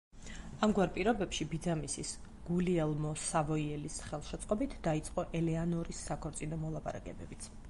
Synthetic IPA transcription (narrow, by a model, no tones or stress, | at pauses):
amɡwaɾpʼiɾɔbɛpʃibid̪zamisis | ɡ̥uliɛlˠmɔsavɔiɛlisχɛlˠʃɛt̪sʼqʼɔbit̪ʰd̪ait̪sʼqʼɔʔɛlɛanɔɾisːakʰɔɾt̪sʼinɔmɔlˠapʼa̰ɾa̰kʼɛ̰bɛbit̪sʰ